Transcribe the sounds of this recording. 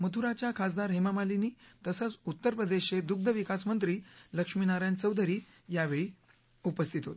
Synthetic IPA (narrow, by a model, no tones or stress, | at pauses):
mət̪ʰuɾat͡ɕjakʰas̬d̪aɾɦemamaliniːt̪əsət͡sut̪ːəɾpɾəd̪eɕed̪uk̚d̪ʱəʋikasmənt̪ɾiːləkʂminaɾjãnt͡səwd̪əɾiː | jaʋeɭiː | upəst̪ʰit̪ot̪